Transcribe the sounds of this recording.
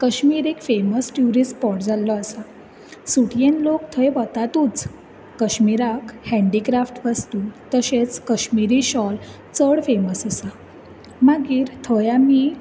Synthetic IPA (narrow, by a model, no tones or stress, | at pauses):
kəɕmiɾekfeməsʈjuɾispɔʈd͡zalːɔasa | suʈjenlokt̪ʰəjʋət̪at̪uːt͡s | kəɕmiɾakhɛ̃ɳɖikɾafʈʋəst̪uːt̪əɕet͡skəɕmiɾiɕɔl | t͡səɽfeməsəsa | maɡiːɾt̪ʰəjami